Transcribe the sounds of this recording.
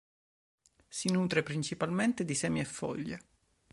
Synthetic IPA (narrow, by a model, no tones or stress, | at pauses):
sinuːt̪ɾepɾint͡ʃipalment̪ed̪isɛmiɛfːɔ̰ʎːḛ